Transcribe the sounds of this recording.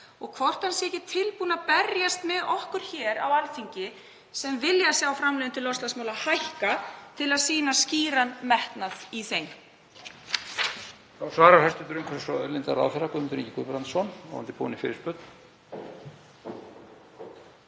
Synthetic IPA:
ɔɣkʰvɔr̥t̪ansjɛcɪt̪ʰɪlpuːnaðpɛrjast̪mɛðɔhkʏɾ̥çɛːɾa̰walfiɲcɪ | sɛmvɪljasjɛawfɾamlɛːðʏnt̪ʏlɔst̪lasmawlahajhkat̪ʰɪlaðsiːnasciːɾanmɛht̪naðiθejn | θawsvaːɾahɛst̪ʏt̪ɾʏmkʰvɛɾsɔlɪnt̪aɾa̰ːwfɪɾakʏmɪnt̪ʏɾḭːcːɪ̥kʏpɾant̪sɔnɔ̰a̰nt̪ɪpʰṵːnɪfɪ̰ɾɪspœt̪n̥

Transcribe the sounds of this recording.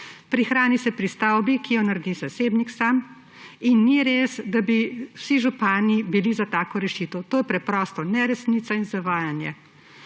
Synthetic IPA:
pɾixɾaːnisɛpɾist̪awbikijɔnaɾd̪izaseːbniksam | inːiɾeːsd̪abiwsiʒupaːnibilizat̪aːkɔɾɛʃiːt̪ɔwt̪oːjɛpɾɛpɾɔːst̪ɔnɛɾɛsniːt̪sainzaʋaːjanjɛ

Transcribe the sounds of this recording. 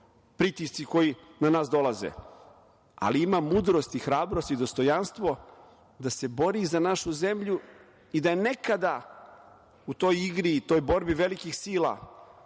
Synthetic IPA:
pɾit̪ist̪siko̞jinanaːsd̪o̞lˠazḛ | a̰liimamuːd̪ɾo̞st̪ixɾaːbɾo̞st̪id̪o̞st̪o̞janst̪ʋo | d̪ase̞bo̞ɾizanaʃuze̞mʎu | id̪ajene̞kad̪a | ut̪o̞ːjiɡɾiːt̪o̞jboɾbiʋe̞likixsiːla̰

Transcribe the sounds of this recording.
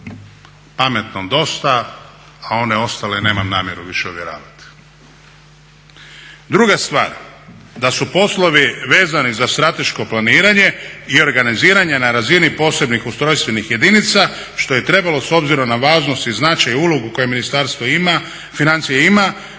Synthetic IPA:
pame̞t̪nod̪o̞st̪a | ao̞ne̞o̞st̪alene̞ːmamnaːmje̞ɾuʋiʃeuʋjeɾa̰ːʋat̪i̥ | d̪ɾuɡast̪ʋa̰ːɾ | d̪asupo̞slˠo̞ʋiʋe̞ːzanizast̪ɾat̪e̞ʃko̞planiːɾaɲe̞io̞ɾɡaniziːɾaɲenaɾazinipo̞ːse̞bnixust̪ɾo̞jst̪ʋe̞nixje̞d̪init̪sa | ʃt̪o̞je̞t̪ɾe̞balo̞so̞bziɾo̞mnaʋaːʒnost̪iznat͡ʃajuloɡuko̞jeminist̪aɾst̪ʋoima | finant̪sijeima

